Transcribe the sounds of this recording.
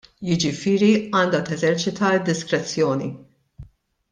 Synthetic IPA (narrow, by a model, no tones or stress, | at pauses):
jɪd͡ʒɪfɪːɾiɐːnd̪ɐt̪ɛzɛɾt͡ʃɪt̪ɐɪd̪ːɪskɾɛt͡sːjɔːni